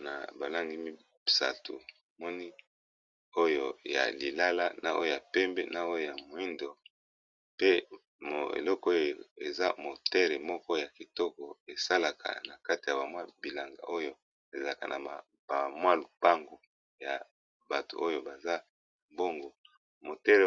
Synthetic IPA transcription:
na̰˨ba˨la˦ŋɡi˦mi˦ | sa̰˨tṵ˨ | mɔ˦ni˦ | o˦jo˨ja̰˨li˨la˦la˦na˨ʔo̰˦jo˦˨ja˨pɛ˦mbɛ˦na˨o˦jo˨ja˨mo˨i˦ndo˨ | pe˦ | mo̰˨ḛ˨lɔ˦ko˦jo˨o˨e˨za̰˦mo˨tɛ˦ʁe˨mɔ˦kɔ˦ja˨ki˨tɔ˦kɔ˨e˨sa˦la˨ka̰˨na˨ka˦ti˨ja˨ba˨mwa˦bi˨la˨ŋɡa̰˨ʔo˦jo˦ | e˨za˨la˨ka̰˨nʔa̰˨ | ba˨mwa˦lu˨pa˦ŋɡo˨ | ja̰˨ | ba˨to̰˨o˦jo˦ba˨za˦˨ | mbo˦ŋɡo˨ | mo˨tɛ˦le˨

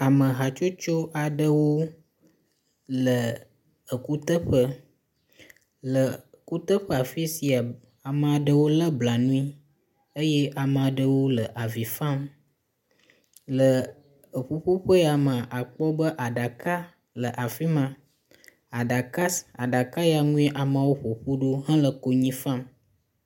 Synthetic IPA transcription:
a˨mə̃˨ɦa˨t͡ʃo˦t͡ʃo˦ʔa˨ɖə˦wo˦ | lə˨ | ə˨ku˦t̪ə˦ɸə˦ | lə˨ | ku˦t̪ə˦ɸə˦a˨fi˦si˨a˨ | a˨mə˨a˨ɖə˦wo˦lə˦bla˨nũ˦i˦ | ə˦jɛ˦ʔa˨mə˨a˨ɖə˨wo˦lə˨ʔa˨vi˨fã˦m | lə˨ | ə˨ɸu˦ɸu˦ɸə˦ja˨mə̃˨ʔa˨k͡pɔ˦bə˦ʔa˨ɖa˨ka˦ | lə˨ʔa˨fi˦mã˨ | a˨ɖa˨ka˦sa˨ɖa˨ka˦ja˨ŋũ˦i˦ʔa˨mã˨wo˦ɸo˨ɸu˦ɖo˦ɦã˦lə˨ko˨ɲĩ˦fã˦m

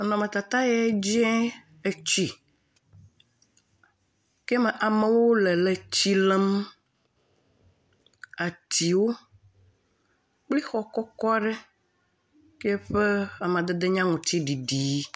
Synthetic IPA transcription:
nɔ̃˨me˨t̪a˨t̪a˦jɛ˨˦d͡ʒɛ̃˦ | e˨t͡ɕi˨ | kɛ˦me˨ʔa˨me˨wo˦le˨le˨t͡ɕi˦le˦m | a˨t̪i˨wo˦ | k͡pli˦xɔ˨kɔ˦kɔ˦a˦ɖɛ˦ | ke˦ɸe˦a˨mẽ˨ã˨d̪e˦d̪e˦ɲã˦ŋũ˨t̪i˦ɖi˨ɖi˨˦

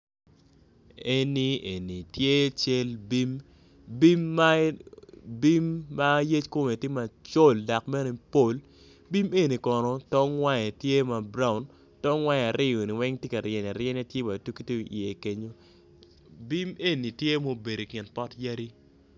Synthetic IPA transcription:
e˦ni˦e˨ni˨tje˦t͡ʃe˦lbi˦m | bi˦mːa˦ | bi˦mːa˦je˦t͡ʃko˦me˨tɪ˦ma˨t͡ʃo˦˨lda˨kmɛ˦no˨po˦l | bi˦me˦ni˨kɔ˨nɔ˨tɔ˦ŋwa˦ɲɛ˨tje˦ma˨bɾa˦˨ʊ˨n | tɔ˦ŋwa˦ɲ˨a˨ɾɪ˦o˨ni˨wɛ˦ŋtje˦ka˨ɾjɛ˨na˨ɾjɛ˦n˦a˦tje˦wa˨tu˦ki˦to˦˨e˨ke˦ɲo˦ | bi˦me˦ni˨tje˦mo˦be˨ɾo˨kɪ˨npɔ˦tja˦ɾi˦

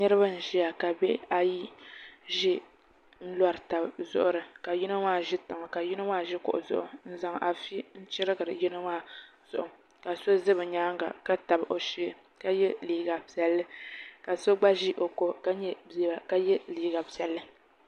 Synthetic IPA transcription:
nɨ˦ɾɨ˦ba˦n̩˨ʒi˦a˨ka˨bɛ˦a˨ji˦ʒɪ˦ | n̩˦la˦ɾɨ˨ta˨bzʊ̰˦ʔʊ˦ɾɨ˨ka˨ji˦nɨ˦maː˦˨ʒɪ˦tɨ˨ŋɨ˨ka˨ji˦nɨ˦waː˦˨ʒɪ˦kʊ̰˨ʔʊ̰˨zʊ̰˦ʔʊ˨n̩˦za˨ŋʔa˨fi˦n̩˦t͡ʃɪ˦ɾɨ˦ɡɨ˨ɾɨ˨ji˦nɨ˦waː˦z̥ʊ˨ʔʊ˨ | ka˨so˦zɨ˦bɨ˨ɲaː˦ŋɡa̰˨ka˦ta˨bʔo˨ʃi˦˨ | ka˦jɛ˦liː˨ɡa˨pi˨ɛ˨lːɨ˦ka˨so˦ɡ͡ba˦ʒi˦ʔo˨ko˨ʔka˦ɲɛ˦beː˨ba˨ka˦jɛ˦liː˨ɡa˨pi˨ɛ˨lːɨ˦

